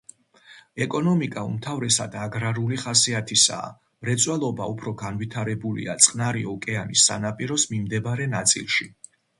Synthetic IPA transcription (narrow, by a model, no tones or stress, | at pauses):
ɛkʼɔnɔmikʼaṵmt̪ʰavɾɛsad̪aɡɾaɾuliχasiat̪ʰisa̰ː | mɾɛt̪sʼwɛlˠɔbaupʰɾɔɡanvit̪ʰaɾɛbulḭa̰t̪sʼqʼnaɾiɔkʼɛanisːa̰napʼiɾɔsmimd̪ɛbaɾɛnat̪sʼḭlˠʃi